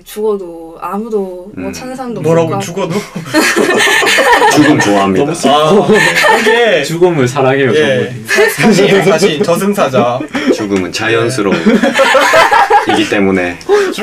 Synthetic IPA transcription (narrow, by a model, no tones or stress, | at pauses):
t͡ɕuɡʌdo | amudo | t͡ɕʰaŋsʰandomʌɾaɡot͡ɕuɡʌdo | t͡ɕuɡɯmt͡ɕoaɦamɲid | kɯɡet͡ɕuɡɯmɯɭsʰaɾaɡioje | saɕʰisʰaɕint͡ɕʌsʰɯnsʰad͡ʑat͡ɕuɡɯmɯnt͡ɕajʌns̬ʰɯɾo | iɡit͈e̞mune̞